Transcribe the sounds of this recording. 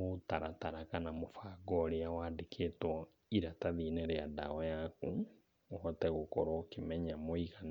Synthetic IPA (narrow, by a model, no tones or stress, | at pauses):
otaɾataɾakanamofaɡɔɾeawadekʰetwɔ | iɾataðinɛɾɛada̰wɔjaku | ɔtɛɣokɔɾɔkimɛɲamoiɣan